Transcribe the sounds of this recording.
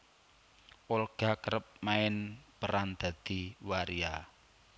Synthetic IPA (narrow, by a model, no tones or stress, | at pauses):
ʔolɡ̥a̤kəɾəp̚maɪnpəɾand̪̥a̤d̪̥i̤waɾia